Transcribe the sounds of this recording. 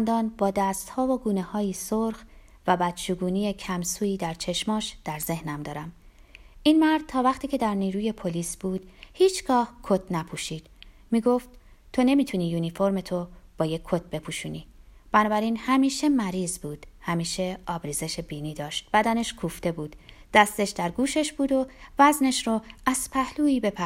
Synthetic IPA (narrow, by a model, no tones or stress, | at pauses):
nd̪ɒːnbɒːd̪æst̪hɒːvoɡuːne̞hɒːjisoɾx | væbæd̪t͡ʃʰuɡuːnijecʰæmsuːiːd̪æɾt͡ʃʰe̞ʃmɒːʃd̪̥æɾze̞hnæmd̪ɒːɾæm | ʔinmæɾd̪̥̚t̪ʰɒːvæχt̪iːcʰe̞d̪æɾniːɾuːje̞pʰo̞liːsbuːd̪̥hiːt͡ʃʰɡ̥ɒːhkʰo̞t̪ʰnæpʰuːʃiːd̪̥ | miːɡo̞ft̪t̪ʰo̞ne̞miːt̪ʰuniːjuːnifo̞ɾme̞t̪ʰo̞b̥ɒːje̞kʰːo̞t̪̚be̞pʰuʃuːnib̥ænɒːbæɾinhæmiːʃe̞mæɾiːzbuːd̪̥hæmiːʃe̞ɒːbɾiːzeʃe̞biːniːd̪ɒːʃt̪̚bæd̪æne̞ʃkʰuft̪e̞buːd̪̥d̪̥æst̪e̞ʃd̪æɾɡuːʃe̞ʃbuːd̪o̞væzne̞ʃɾoæz̥pʰæhluːiːbe̞pʰæ